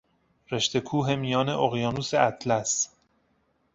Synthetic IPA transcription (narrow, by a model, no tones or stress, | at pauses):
ɾe̞ʃt̪e̞kʰuːɦe̞mijɒːne̞ʔoɣjɒːnuːse̞ʔæt̪ʰlæs